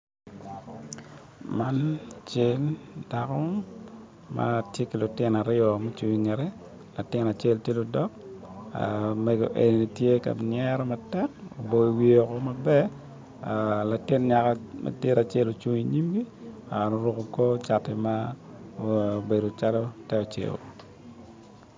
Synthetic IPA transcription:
ma˦nt͡ʃe˦lda˨kɔ˦ | ma̰˦tje˦ki˨lʊ˨tɪ˦na˨ɾɪɔ˨mo˦t͡ʃu˨wi˨ŋe˨ɾɛ˦ | la˨tɪ˦na˨t͡ʃe˦ltje˦lʊ˨dɔ˦ka̰mɛ˨ɡo˨ʔe˨ni˨ni˨tje˦ka̰˨nɪɛɾɔ˦matɛko̰˨bo˨i˨wio˨ko˦ma˦bɛ˦ | la˨tɪ˦nɲa˨kama̰˨de˦ɾa˨t͡ʃe˦lo˨t͡ʃu˨ŋi˨ɲi˦mɡi˦ | a˨no˨ɾʊ˦ko˨ko˦t͡ʃa˨tɛ˨ma | be˨do˨t͡ʃalo˦tɛ˦o˨t͡ʃḛ˨o̰˨

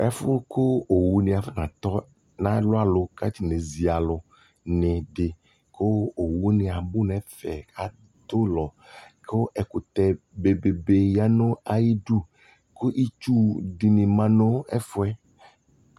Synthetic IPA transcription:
ɛ˦fʊ˦ko˦o˨wu˨nɪ̃˨a˨fe˦nã˨t̪ɔ˦ | nã˦lʊ˦a˨lʊ˨ka˦t̪i˨nẽ˨zi˨a˨lʊ˨ | nɪ̃˨ɖɪ˨ | kʰo˦o˨wu˦nɪ̃˨a˨bʊ˦nɛ̃˨fɛ˨a˨ | t̪o˦lɔ˨kʰo˦ʔɛ˨kʊ˨t̪ɛ˨ | be˨be˨be˨ja˦nõ˦a˨ji˦ɖu˦ | ko˦ʔi˦t͡ʃu˦ɖi˨nɪ̃˨mã˦nõ˦ɛ̰˦fʊ˦ɛ˦

